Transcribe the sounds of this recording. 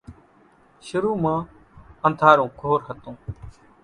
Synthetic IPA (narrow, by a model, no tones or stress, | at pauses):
ʃʊɾuːmãː | ə̃nd̪ʱaːɾõːkoːɾɦət̪õː